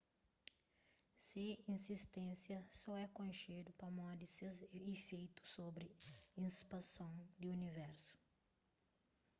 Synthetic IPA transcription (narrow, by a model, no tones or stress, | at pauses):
sɪĩnsist̪ẽsjɐsɔɛkõjʃed̪ʊpɐmɔ̃d̪ɪsezefejt̪ʊ̥sːobɾɪĩspasɐ̃w̃d̪ɪunivɛɾsʊ̥